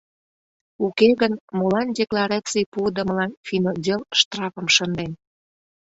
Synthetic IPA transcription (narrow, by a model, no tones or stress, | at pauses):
ukeɣənmolɑndʲeklɑɾɑt͡sijpud̪ə̆məlɑnfʲinodʲelʃt̪rɑfə̆mʃə̆nd̪en